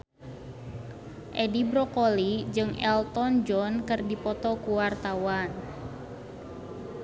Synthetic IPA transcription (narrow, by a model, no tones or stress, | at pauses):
ʔɛdibɾɔkolid͡ʒɨŋʔɛlt̪ɔnd͡ʒɔnkɨrdipɔt̪ɔkuwart̪awan